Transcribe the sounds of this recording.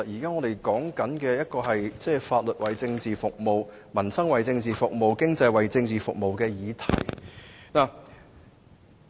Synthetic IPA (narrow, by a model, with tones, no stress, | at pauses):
jiː˨˩kaː˥ŋɔː˨˧d̪e˨jkɔː˨˥ŋkɐ˨˥nkɛː˧jɐ˥t̚kɔː˧ɦɐ˨jt͡sɛː˥˩faː˧t̚lɵ˨t̚wɐ˨˩jt͡sɪ˧ŋt͡siː˨fʊ˨k̚mo˨w | mɐ˨˩nsɐ˥ŋwɐ˨˩jt͡sɪ˧ŋt͡siː˨fʊ˨k̚mo˨wkɪ˥ŋt͡sɐ˧jwɐ˨jt͡sɪ˧ŋt͡siː˨˩fʊ˨k̚mo˨wkɛː˧jiː˨˧t̪ʰɐ̰˨˩jnaː˨˩